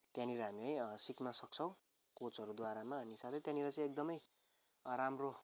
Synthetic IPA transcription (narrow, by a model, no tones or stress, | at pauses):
t̪janiɾʌɦamiajsiknʌsʌk̚t͡sʰʌ̃w̃ | kot͡sʌɾud̪waɾamaʌnisat̪ʰʌjt̪janiɾʌt͡sʌ̃j̃ek̚d̪ʌmʌj | ramro